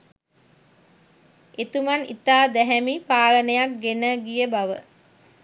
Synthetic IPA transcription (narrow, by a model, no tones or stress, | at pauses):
et̪umanḭt̪aːd̪ɛɦɛmipaːlənəjak̚ɡenəɡijəbaʋə